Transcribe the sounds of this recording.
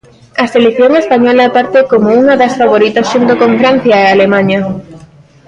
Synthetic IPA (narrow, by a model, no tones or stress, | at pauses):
ɐselekθjoŋespaɲɔlapaɾt̪ekomouŋɐðɐsfaβ̞oɾit̪ɐsʃunt̪okoɱfɾan̟θjaealemãɲɐ